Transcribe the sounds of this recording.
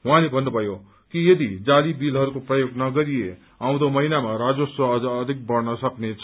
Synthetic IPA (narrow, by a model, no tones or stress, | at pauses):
ɦw̃ãlebʱʌnːubʱʌjo | kijʌd̪id͡zalibilɦʌɾukoprʌjoɡnʌɡʌɾije | aw̃d̪omʌinamaɾad͡zosʌd͡zʌːd̪ʱik̚bʌrnʌsʌknet͡sʰʌ